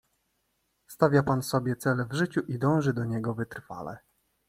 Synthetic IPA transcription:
st̪avʲjapansɔbʲjɛt̪sɛlɛvʐɘt͡ɕuʔid̪ɔ̃w̃ʐɘd̪ɔɲɛɡɔvɘt̪ɾfa̰lɛ̰

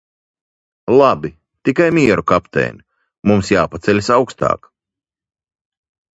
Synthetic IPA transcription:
lˠabi | t̪ikajmʲiɛɾukapt̪ɛ̰ːnʲi | mumsjaːpat̪sɛlʲsawkst̪ɑ̰ːk

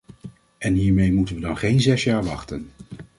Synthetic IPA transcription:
ʔɛnɦiːɹmejmutənʋədɑnχejnzɛsjaːɹʋɑ̰χtən

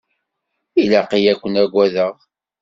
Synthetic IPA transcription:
ilaqijækʷːənæɡʷæðəʁ

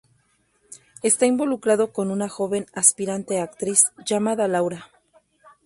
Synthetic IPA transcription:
e̞st̪aimbo̞lukɾaðo̞ko̞nunaxo̞βe̞naspiɾant̪e̞akt̪ɾisʝamaðalawɾa

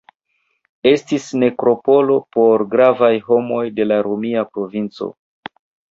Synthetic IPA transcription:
e̞stisne̞kɾo̞po̞lo̞po̞ɾɡɾavajɦo̞mo̞jde̞laɾomiapɾo̞vint͡so̰

